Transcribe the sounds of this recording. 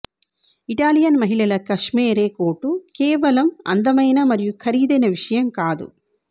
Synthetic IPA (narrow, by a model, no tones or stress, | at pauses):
iʈaːlijɐnmɐɦilɐlɐkɐʂmeːɾeːkoːʈukeːʋɐlɐmɐ̰nd̪ɐmɐjnɐmɐɾijukʰɐɾiːd̪ɐjnɐʋiʂɐjɐmkaːd̪ṵ